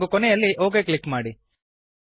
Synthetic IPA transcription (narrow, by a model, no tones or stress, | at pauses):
ɡukɔnɛjɐlːiʔo̞ːɡekɭikːmaːɽi